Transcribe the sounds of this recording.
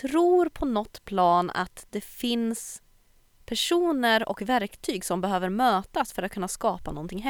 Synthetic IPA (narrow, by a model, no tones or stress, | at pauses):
ɾuːɾpʰɔnɔt̪ːpʰlɑːna̰t̪d̪ɛfɪns | pʰæʂuːnəɾɔ̰kvæɾkt̪ʰyːɡsɔmbɛɦøːvəɾmøːt̪asfœɾat̪kʰɵnːaskɑːpanɔnt̪ʰɪŋɦɛ